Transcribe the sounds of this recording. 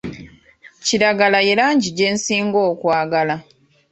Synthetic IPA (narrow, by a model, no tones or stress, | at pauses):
ciɾaɡalaje̞laːɲɟiɟe̞ːnsiːŋɡo̞ːkwaːɡala